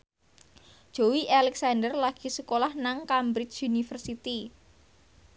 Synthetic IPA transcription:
d̥ʒ̥o̤wiʔalɛksandərlaɡ̥i̤səkolahnaŋkambɾɪt͡ʃunifərsit̪i

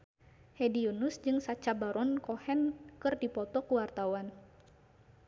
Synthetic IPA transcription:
hɛdiunusd͡ʒɨŋsat͡ʃabaɾɔnkɔhɛnkɨrdipɔt̪ɔkuwart̪awan

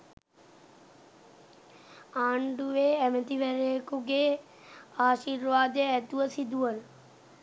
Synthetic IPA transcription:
aːɳɖuʋeːæmət̪iʋæɾejəkuɡeː | aːʃiːɾʋaːd̪əæt̪uʋəsid̪uʋənə

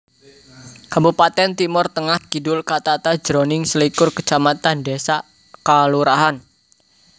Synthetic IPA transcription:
kabupat̪ɛnt̪imʊrt̪əŋahkidʊlkat̪at̪ḁd͡ʒɾonɪŋsəlikʊrkət͡ʃamat̪andesaʔ | kaluɾaɦan

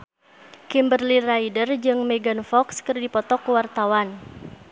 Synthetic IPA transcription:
kimbərlirajdərd͡ʒɨŋmɛɡanfɔkskɨrdipɔt̪ɔkuwart̪awan

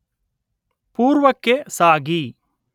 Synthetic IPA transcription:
puːɾʋɐkːesaːɡi

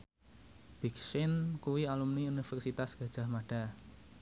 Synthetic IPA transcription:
b̥iksɪnkuwialumniunifɛrsit̪asɡ̥a̤d̥ʒ̥a̤hmaɖ̥a̤

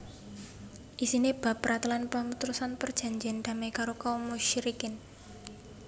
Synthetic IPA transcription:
ʔisineb̥a̤pɾat̪lanpamut̪ɾusanpərd̥ʒ̥a̤ɲd͡ʒɛnd̪a̤makaɾokaumuʃiɾikɪn

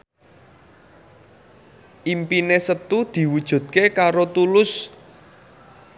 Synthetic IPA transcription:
ʔimpinesət̪ud̪̥i̤wud̥ʒ̥ṳt̪̚kekaɾot̪ulʊs

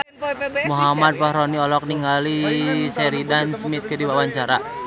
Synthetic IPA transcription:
muɦamad̪̚pahɾɔniɔlɔk̚niŋɡalisɛɾidansəmit̪̚kədiwawaɲt͡ʃaɾa

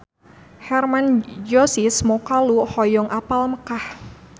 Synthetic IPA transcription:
hɛrmand͡ʒɔsismɔkaluhɔjɔŋʔapalməkah

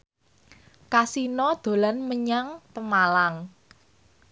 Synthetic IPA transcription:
kasinɔd̪̥o̤lanməɲaŋt̪əmalaŋ

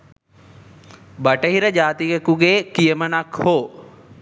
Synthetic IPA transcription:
bɐʈɐɦiɾəd͡ʒaːt̪ijɐkuɡeːkijəmɐnakʰhoː

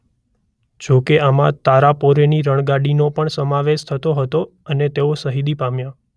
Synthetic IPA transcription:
d͡ʒokeamã̰t̪aɾapoɾeniɾəɳ̃ɡaɽinopəɳsəmaʋeʃt̪ʰət̪oɦət̪o | ənet̪eosəɦid̪ipamja

